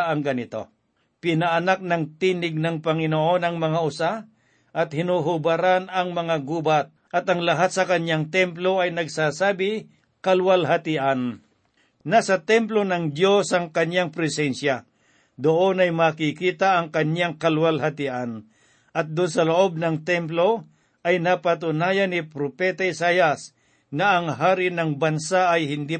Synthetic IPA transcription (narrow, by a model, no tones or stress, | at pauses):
ɐŋɡɐnɪt̪o̞̰ | pɪnɐɐnak̚nɐŋt̪iːnɪɡ̚nɐŋpɐŋɪnoʔo̞nɐŋmɐŋaʔʊsa | ʔɐt̪̚hɪnuɦʊbaɾanɐŋmɐŋaɡuːbat̪̚ʔɐt̪ɐŋlɐɦat̪̚sɐkɐɲjaŋt̪ɛmplo̞ɐjnɐɡsaːsaːbɪ | kɐlwalɦat̪ɪʔanː | asɐt̪ɛmplonɐŋd̪jo̞sɐŋkɐɲjaŋpɾɛsɛnsja | d̪oʔonɐjmakikiːt̪aːŋkɐnjaŋkɐlwalhat̪ɪʔan | ʔɐt̪̚d̪ʊnsɐloʔob̚nɐŋt̪ɛmp̬lo̞ | ʔɐjnapat̪̬ʊnaːjanɪpɾopɛt̪aɪsaːjas | nɐʔːŋɦaːɾɪnɐŋbɐnsaʔːjhɪnd̪i